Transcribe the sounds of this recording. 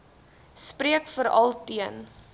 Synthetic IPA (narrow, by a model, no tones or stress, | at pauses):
spriəkfəɾɐ̰lˠtiən